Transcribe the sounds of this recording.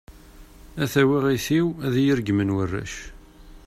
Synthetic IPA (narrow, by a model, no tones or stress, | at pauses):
æθæwiʁiθiwæðjəɾɡmənwərːæ̰ʃ